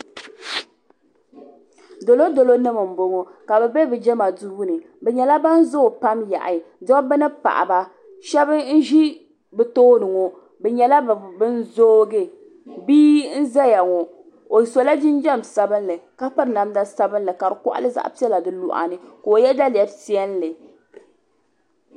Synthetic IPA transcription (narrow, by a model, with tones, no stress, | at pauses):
do˨lo˦do˨lo˦nɨ˦mɨ˨m̩˨bo˨ŋo˨ka˨bɛ˨bɛ˦bɛ˨d͡ʒɛ˦ma˨du˦hu˦nɨ˨ | bɛ˨ɲɛ˨la˦ba˦n̩˦zo˦˨pa˦mja̰˨ʔa˨dɔ˦bɛ˦nɨ˦pa̰˨ʔa̰˨ba˨ | ʃɛ˦bɨ˦n̩˦ʒi˦ | bɨ˨toː˦nɨ˨ŋo˨ | bɛ˨ɲɛ˨la˦˨bɨ˦n̩˦zo˦ɡɨ˦ | biː˦n̩˦za˦ja˨ŋo˨ | o˨so˨la˦d͡ʒɪ˦n˦d͡ʒɛ˦msa˦bɨ˦n˦lɨ˨ka˦pɨ˦ɾɨ˨na˨mda˦sa˦bɨ˦nlɨ˨ka˨bɨ˨kʊ̰˦ʔa̰˦lɨ˦za̰˦ʔpi˦ɛ˦la˨dɨ˦lu˨ʔa̰˨nɨ˨ko˨jɛ˦da˦li˨ɛ˨bsi˦ɛ˦n˦lɨ˨